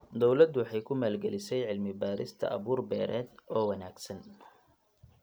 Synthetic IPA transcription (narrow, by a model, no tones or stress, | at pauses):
d̪ɔwlɐd̪wɑħɑjkʰʊmaːlɡɛlɪsɛjʕɪlmɪbaːɾɪ̰st̪ʰɐ̰ʔɐ̰βuːrbɛːɾʔɛːd̪ɔːwɐnaːɡsɐn